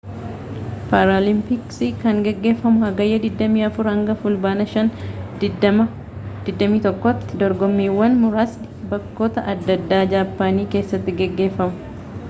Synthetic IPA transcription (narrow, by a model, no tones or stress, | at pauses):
paːɾolɪmpɪksikɐŋɡɛɡːe̞ːfːɐmʊhɐɡɐjːɐd̪ɪd̪ːɐmiːɐfʊɾhɐŋɡɐfʊlbaːnɐʃɐn | mɐ | d̪̥ɪd̪ːɐmiːt̪ɔkːɐt̪ːɪd̪ɔɾɡɔmːiːwːɐnmʊɾaːs | bɐkːo̞ːt̪ɐʔɐd̪ːɐd̪ːaːd͡ʒaːpːaːniːke̞ːsːɐt̪ːɪɡɛɡːe̞ːfːɐmʊ̥